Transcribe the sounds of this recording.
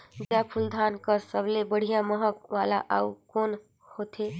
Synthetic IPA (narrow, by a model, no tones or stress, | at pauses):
d͡ʒapʰuld̪ʱankəsəblebəɽ̤ijãməɦəkʋalaʔa̰ukon | hot̪ʰe